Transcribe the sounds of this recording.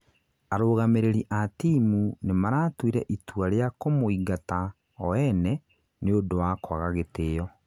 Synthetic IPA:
aɾoːɣameɾeɾiʔatimunemaɾaːtwiɾɛʔituaɾeakomoiɡata | ɔɛnɛ | neodowakwaɣaɣeteːjɔ

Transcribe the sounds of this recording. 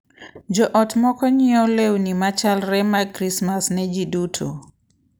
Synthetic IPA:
d͡ʒɔʔɔtmɔkɔɲɪɔlewnimat͡ʃalɾɛmakɾismasnɛd͡ʒidutʰo̰

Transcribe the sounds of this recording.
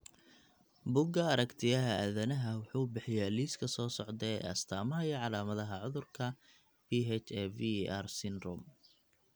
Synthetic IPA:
bʊɡɐɐɾɐkt̪ʰɪjɐɦɐʔæðɐnɐɦɐwʊħuːbɪħɪjaːliːskʰɐsɔːsɔʕd̪ɛɐ̰st̪ʰaːmɐɦɐiːʕɑlaːmɐðɐɦɐʕʊðʊrkʰɐ | biːɦɛt͡ʃɛviarsɪnrɔm

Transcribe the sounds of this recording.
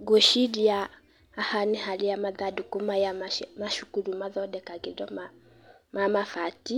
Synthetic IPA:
ɡɔʃidiaː | hanihalijamaðadukumajammaʃu̥kuɾumaðɔdɛkaɡidɔma | mamafati

